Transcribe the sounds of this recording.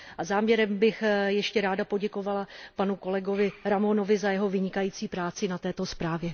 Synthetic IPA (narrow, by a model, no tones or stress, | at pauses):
ʔazaːmɲɛɾɛmbɪxjɛʃcɛɾaːdapo̞ɟɛkovalapanuko̞lɛɡo̞vɪɾamono̞vɪzajɛɦo̞vɪɲɪkajiːt͡siːpɾaːt͡sɪnat̪ɛːt̪o̞spɾaːvjɛ